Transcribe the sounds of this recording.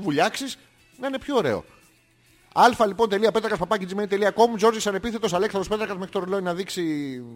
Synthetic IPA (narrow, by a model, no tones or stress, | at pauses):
vuʎɐksis | nɐine̞pço̞ːɾe̞̰o̞̰ | ɐlfɐlipo̞nt̪e̞liɐpe̞t̪ɾɐɣɐspɐpɐcind͡zime̞nit̪e̞liɐko̞muzo̞ɾziksɐne̞piθe̞t̪o̞sɐle̞ksɐnðospe̞t̪ɾɐkɐzmeɾit̪oɾoloinɐðiksi